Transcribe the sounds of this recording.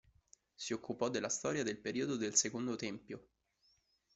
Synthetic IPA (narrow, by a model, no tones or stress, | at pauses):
siokːupɔd̪ːelːast̪ɔːɾjad̪elpeɾiod̪od̪elsekond̪ot̪ɛmpjo